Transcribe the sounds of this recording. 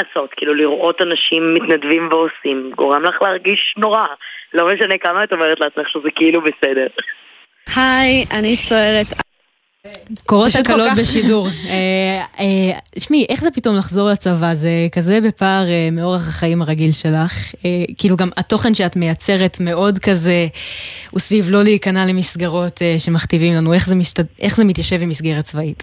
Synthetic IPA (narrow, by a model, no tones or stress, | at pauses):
aso̞tkiːluliʁʔo̞tanaʃimːitnadvimveosimɡo̞̰ʁemlaχleːʁɡiʃno̞ʁalo̞meʃanekamaatomeʁet̪laːt͡smeχʃuzekeilubesede̞ʁ | hajanit͡soeʁet̪ | koʁoʃtkalobeʃiduʁeeʃmiʔe̞χzepito̞mlaχzo̞ʁlat͡savazekaze̞bepaːʁemeo̞ʁaχaχaimaʁaɡilʃe̞laχekiːluɡamato̞χe̞nʃeatme̞jat͡se̞ʁe̞tme̞o̞dkaze̞ | usvivlo̞liikanalemisɡaʁo̞teʃe̞maχtivimlanue̞χzemitʔe̞χzemit̪jaʃevbimisɡeʁat͡svait